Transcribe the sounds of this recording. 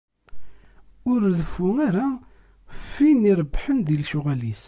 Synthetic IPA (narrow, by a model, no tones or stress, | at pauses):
ʊɾðəfːʊŋaɾa | fːiniɾˤəbːħənðilʃʊʁælis